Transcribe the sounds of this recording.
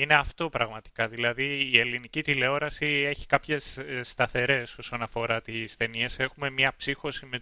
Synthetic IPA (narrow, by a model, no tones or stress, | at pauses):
ine̞ɐft̪o̞pɾɐɣmɐt̪i̥kɐðilɐðiːe̞linicit̪ile̞o̞ɾɐsie̞çi̥kɐpçe̞sːt̪ɐθe̞ɾe̞so̞so̞nɐfo̞ɾɐt̪ist̪e̞nie̞se̞xume̞mɲɐpsixo̞sime